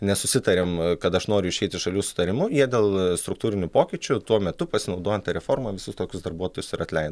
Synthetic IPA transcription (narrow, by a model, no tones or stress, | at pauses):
nʲɛsʊsʲɪt̪ɐɾʲeːmkɐt̪ɐʃnoːɾʲʊɪʃʲɛɪt̪ʲɪʃɐlʲuːsʊ̥t̪ɐɾʲɪmʊjiɛd̪ʲeːlˠst̪ɾʊk̚t̪uːɾʲɪnʲʊpoːkʲɪt͡ʃʲʊt̪uɔmʲɛt̪ʊpɐsʲɪnɐʊd̪oːjɛnt̪ɐɾʲɛfoːɾmɐːʋʲɪsʊst̪oːkʲʊsd̪ɐrbuɔt̪oːjʊsɪɾɐt̪ʲlʲɛɪnɐ